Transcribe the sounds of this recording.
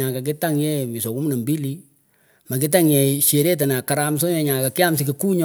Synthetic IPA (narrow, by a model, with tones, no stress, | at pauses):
a˨ka˨k̬i˦ta˦ŋjɛ˦mi˨sɔ˨ku˦m˦na˨mbi˦li˦ | ma˨ki˦t̬a˦ŋjɛ˨ʃe˨ɾe˦t̬a˨na˨ka˨ɾa˦ms̬ɔ˦ɲɛ˨ɲa˨ka˨kɪ˦a˦msi˨ke˨ku˦ɲ